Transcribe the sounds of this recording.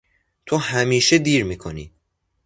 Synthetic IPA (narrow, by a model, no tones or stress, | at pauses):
t̪ʰohæmiːʃed̪iːɾmiːkʰonḭː